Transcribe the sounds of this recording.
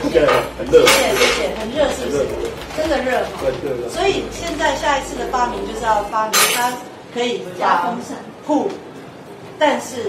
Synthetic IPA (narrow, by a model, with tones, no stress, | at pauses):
jɛ˨˩we˥ɕjɛ˨˩nxə˧˥nɻɤ˥˧ʂ̩˥˩ | kə˥nɡə˨ɻɤ˥˩fa˨˩˧swɔ˧˥i˨˩ɕjɛ˥˧nt͡sa˥˧ɪɕja˥˩i˨˧t͡sʰɹ̩˥˩ə˩fa˥mi˧˥ŋt͡ɕjo˥˧ʊʂ̩˥˩˥fa˥mi˧˦ŋt̪ʰa˥ | kʰɤ˧˥i˨˩˧t͡ɕa˥ɤ˥ŋə˨˩ŋpʰu˥˩ | t̪a˥˧nʂɻ̩˥˩